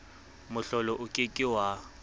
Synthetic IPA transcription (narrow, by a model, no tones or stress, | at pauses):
mʊɬɔlɔʔʊkʼɪkʼɪwa